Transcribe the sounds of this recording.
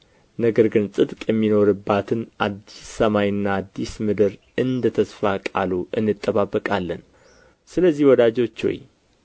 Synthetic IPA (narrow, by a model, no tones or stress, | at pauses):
nəɡəɾɡɨnsʼɨt̪ʼkʼjɛmːino̞ɾɨbːat̪ʰɨnad̪ːisːəmajɨnːaːd̪ːismɨd̪ɨɾ | ɨnd̪ət̪ʰəsfakʼa̰luʔɨnːɨt̪ʼːəβabːəkʼalːən | sɨləzːihwɔd̪ad͡ʒo̞t͡ʃːo̰j